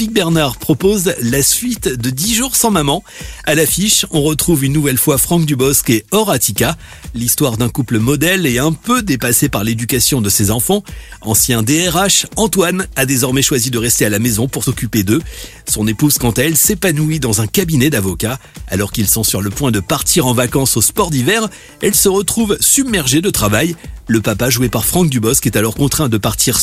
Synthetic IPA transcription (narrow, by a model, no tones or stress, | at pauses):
pik̚bɛʁnaʁpχɔpozlasɥit̪d̪əd̪iʒuʁsɑ̃mamɑ̃ | alafiʃɔ̃ʁət̪χuvynːuvɛlfwafχɑ̃kd̪ybɔskeɔʁat̪ika | list̪waʁd̪ɛ̃kupləmɔd̪ɛlɛɛ̃pød̪epasepaʁled̪ykasjɔ̃d̪əsezɑ̃fɑ̃ɑ̃sjɛ̃d̪eɛʁaʃɑ̃t̪wanad̪ezɔʁmɛʃwazid̪əʁɛst̪ealamezɔ̃puʁsɔkʲyped̪ø | sɔ̃nepuz̥kɑ̃t̪aɛlsepanuid̪ɑ̃zɛ̃kabinɛd̪avɔkaːlɔʁkilsɔ̃syʁləpwɛ̃d̪əpaʁt̪ʰiʁɑ̃vakɑ̃sospɔʁd̪ivɛʁ | ɛlsəʁət̪χuvsybmɛʁʒed̪ət̪χavajləpapaʒuepaʁfχɑ̃k̚d̪ybɔskɛt̪alɔʁkɔ̃t̪χɛ̃d̪əpaʁt̪ʰiʁ